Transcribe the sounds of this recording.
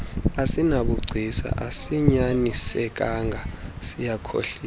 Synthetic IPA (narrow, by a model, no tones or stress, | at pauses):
asinaɓuɡ͡ǀʱisa̰ʔasiɲanisɛk̬ʼaŋɡʱasijakʰo̰ɬiː